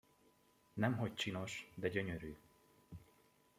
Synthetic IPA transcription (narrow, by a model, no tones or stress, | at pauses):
nɛmɦo̞c̚t͡ʃino̞ʃd̪ɛɟøɲøɾyː